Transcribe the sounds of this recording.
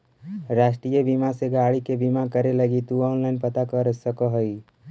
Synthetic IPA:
ɾaːsʈɾijəbimaseɡaɽikebimakəɾeləɡit̪uɔːnlaɪnpət̪akəɾsəkəɦəj

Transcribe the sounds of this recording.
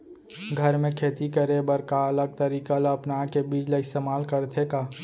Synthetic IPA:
ɡʱəɾmẽkʰeːt̪ikəɾebəɾkaɐləɡ̚t̪əɾiːkalɐpnakebiːd͡ʒleɪst̪eːmaːlkəɾt̪ʰekaː

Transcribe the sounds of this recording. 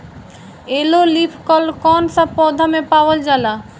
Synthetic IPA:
elolipʰkɔlkɔnsabpɔd̪ʱamepawəld͡ʒala

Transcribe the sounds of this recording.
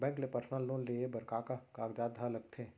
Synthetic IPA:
bɛ̃ːŋklepəɾsnəlːoːnliebəɾkaːkakaːɡd͡ʒaːd̪ʱaləɡ̚t̪ʰeː

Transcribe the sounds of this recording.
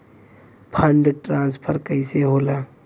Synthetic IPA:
pʰə̃ɳɖʈɾãːnspʰəɾkəɪseɦoːlaː

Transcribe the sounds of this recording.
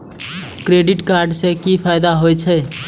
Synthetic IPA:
kɾeɖiʈkaɾɖsẽkipʰajd̪aɦojt͡ʃʰɛ

